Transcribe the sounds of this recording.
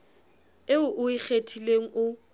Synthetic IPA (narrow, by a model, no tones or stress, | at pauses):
eʊʔʊik͡xʰetʰileŋ̩ʔʊ